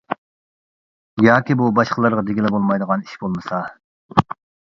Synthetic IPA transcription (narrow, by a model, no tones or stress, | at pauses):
jɑːkʲibubɑʃqəlˠɑɾʁɑd̪eɡʲilɛbolˠmɑjd̪əʁɑni̥ʃbolˠmɨsɑ